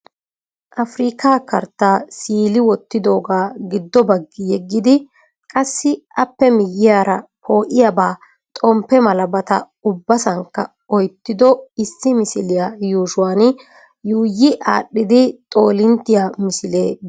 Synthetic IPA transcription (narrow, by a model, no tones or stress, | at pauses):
ʔɐfɾiːkʰaːkɐɾt̪ːaːsiːlɪwɔt̪ːɪd̪o̞ːɡaːɡɪd̪ːɔbɐɡːɪjɛɡːɪd̪ɪ | kʼɐsːɪɐpːɛmɪjːɪjaːɾɐpʰo̞ːʔɪjabaː | t̪ʼɔmpːɛmɐlɐbɐt̪ɐ̰ | ʊbːɐsɐŋkːɐ | ɔjt̪ːɪd̪ɔɪsːɪmɪsɪlɪjajuːʃʊwaːn | juːjɪʔa̰ːɗːɪd̪ɪt̪ʼo̞ːlɪnt̪ːɪjamɪsɪleː